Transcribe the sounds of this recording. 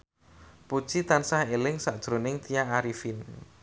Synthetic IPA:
pu̥t͡ʃit̪ansahelɪŋsaʔd̥ʒ̥ɾonɪŋt̪ijaːɾifin

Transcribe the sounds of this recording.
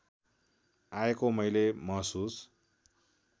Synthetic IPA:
aekomʌjlemʌɦsus

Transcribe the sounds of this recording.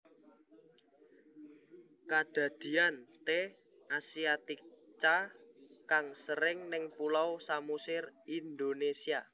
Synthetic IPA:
kad̥a̤d̪̥i̤ant̪e | ʔasiat̪it͡ʃakaŋsəɾɪŋnɪŋpulawsamusɪrind̪onesia

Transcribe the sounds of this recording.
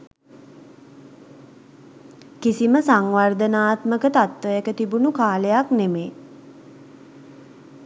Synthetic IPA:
kisiməsaŋʋard̪ənaːt̪məkət̪at̪ʋəjəkət̪ibunukaːləjaknemeː

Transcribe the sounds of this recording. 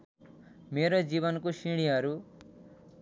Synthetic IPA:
meɾod͡ziβʌnkosiɽ̃iɦʌɾu

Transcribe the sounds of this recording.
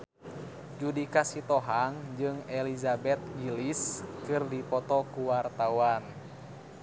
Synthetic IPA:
d͡ʒudikasit̪ɔɦaŋd͡ʒɨŋɛlizabɛt̪̚ɡiliskɨrdipɔt̪ɔkuwart̪awan

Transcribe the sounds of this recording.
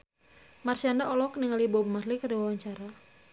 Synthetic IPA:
marsiandaʔɔlɔk̚niŋalibɔbmarlikaɾiwawaɲt͡ʃaɾa

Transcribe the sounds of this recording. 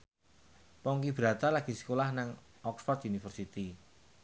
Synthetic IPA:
pɔŋkib̥ɾa̤t̪alaɡ̥i̤sə̥kolahnaŋ | ɔksfɔrd̪unifərsit̪i

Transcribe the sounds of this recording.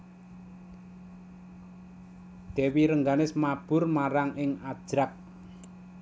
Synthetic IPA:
d̪̥ɛ̤wiɾəŋɡanɪsmab̥ʊ̤rmaɾaŋɪŋad̥ʒ̥ɾak̚

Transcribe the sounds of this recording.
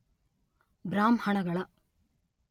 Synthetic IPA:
bɾaːmhɐɳɐɡɐɭɐ

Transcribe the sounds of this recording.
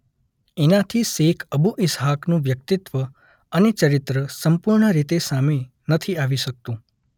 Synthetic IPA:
enãt̪ʰisekʰəbuʔɪsɦaknũʋjək̚t̪ɪt̪ʋə | ənet͡ʃəɾɪt̪ɾəsəmpuɾɳəɾit̪esame | nət̪ʰiaʋiʃək̚t̪ũ

